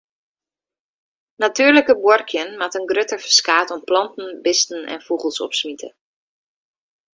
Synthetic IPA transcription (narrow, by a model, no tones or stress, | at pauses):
natyːɹləkəbwɔrkʰjənmatənɡrøtəɹfə̥skaːtɔmplɑntn̩bɪstn̩ɛ̰nfuχəlˠsɔ̰psmitʰə̰